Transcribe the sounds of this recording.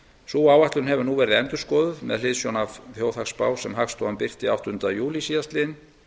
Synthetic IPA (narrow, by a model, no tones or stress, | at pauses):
suːaːwaht̪lʏnɦɛvʏnuvɛːɾɪɛnt̪ʏɾ̥skɔːðʏmɛ̰ðlɪðsjownavθjoːwθakspaːwsɛmɦakst̪ʰɔampɪr̥t̪iawht̪ʏnt̪ajuːlisiːast̪lɪn